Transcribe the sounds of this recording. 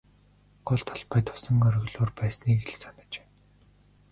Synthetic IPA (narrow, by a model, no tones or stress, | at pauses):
ɢ̥ʊɮt̪ʰɔ̥ɮpajt̪ʰʊ̥sə̆ŋœɾ̆ɣɮoːrpæːsniːkeɮsanə̆t͡ɕe̥ː